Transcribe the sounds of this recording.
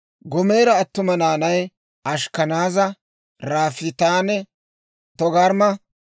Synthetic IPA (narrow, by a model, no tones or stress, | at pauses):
ɡɔme̞ːɾɐːt̪ːʊmɐnaːnɐj | ɐʃkɐnaːzɐ | ɾaːfɪt̪aːnɛ | t̪ɔɡɐɾmɐ